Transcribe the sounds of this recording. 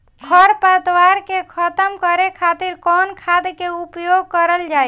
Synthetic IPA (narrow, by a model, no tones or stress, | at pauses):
ɡʰəɾpət̪waɾkekʰət̪əmkəɾekʰat̪iɾkɔnkʰad̪keupjoɡ̚kəɾəld͡ʒaj